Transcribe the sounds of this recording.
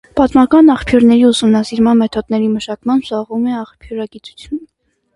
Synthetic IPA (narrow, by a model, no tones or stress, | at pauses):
pɑt̪mɑkɑnɑχpʰjuɾnɛɾiusumnɑsiɾmɑnmɛt̪ʰɔd̪nɛɾiməʃɑkmɑnsɑʁvumɛɑχpʰjuɾɑɡit͡su̥t͡sʰjun